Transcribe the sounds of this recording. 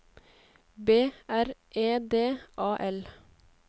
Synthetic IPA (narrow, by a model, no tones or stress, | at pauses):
beːæɾʔeːd̪eːʔɑːʔɛl